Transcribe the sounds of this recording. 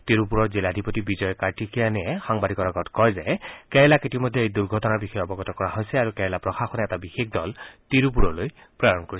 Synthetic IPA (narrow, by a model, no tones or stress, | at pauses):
tiɹupuɹɔɹziladʱipotibizɔjɔkaɹtikʰijanɛɛxaŋbadʱikɔaɡɔtkɔjzɛkɛɹɛlakitimɔdʱeejduɹɡʱɔtɔnaɹbixɔjɔbɔɡɔtɔkɔɹaɦojsɛaɹukɛɹɛlapɹɔxaxɔnɛɛtabixexdɔltiɹup̬uɹɔloj | pɹaɹɔnkoɹis